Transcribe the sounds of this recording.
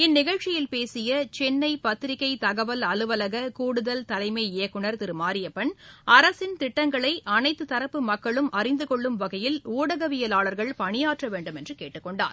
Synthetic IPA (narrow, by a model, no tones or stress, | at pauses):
ɪnːɪɣɐɻt͡ʃːɪjɪlpeːsɪjɐt͡ʃɛnːɐɪpɐt̪ːɪɾɪkːɐɪt̪ɐɣɐʋɐlɐlɯʋɐlɐɣɐkuːɽɯðɐlt̪ɐlɐɪmɐːɪjɐkːɯɳɐɾt̪ɪɾɯmaːɾɪjɐpːɛɳɐɾɐsɪnt̪ɪʈːɐŋɡɐɭɐɪʔɐnɐɪt̪ːɯt̪ːɐɾɐpːɯmɐkːɐɭɯmʔɐrɪnd̪ɯkɔɭːɯmʋɐɣɐjɪluːɽɐɣɐʋɪjɐlaːɭɐɾɣɐɭpɐɳɪjaːʈrɐʋeːɳɖɯmɛndrɯkeːʈːɯkːɔɳɖa̰ːɾ